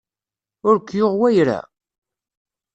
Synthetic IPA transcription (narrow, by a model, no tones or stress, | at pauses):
ʊɾkʷːjoʁwæjɾæ̰